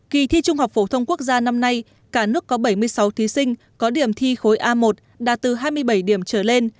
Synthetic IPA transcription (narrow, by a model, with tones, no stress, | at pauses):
ki˨˩t̪ʰi˧t͡ɕʊ˧ŋ͡mha˨˩wk͡p̚fo˧˩t̪ʰə˧wŋ͡mku˦˥ək̚zaː˧na˧mna˧j | kaː˧˩nɨ˦˥əkːɔ˨˦ɓə˧˩jmɨ˧əjsa˨˦wt̪ʰi˨˦sï˧ŋ̟ | kɔ˨˦ɗi˧˩əmt̪ʰi˧xo˨˦jʔaː˧mo˨˩t̚ | ɗaː˨˧˩t̪ɨ˨˩ɦaː˧jmɨ˧əjɓə˧˩jɗi˧˩əmt͡ɕəː˧˩le˧n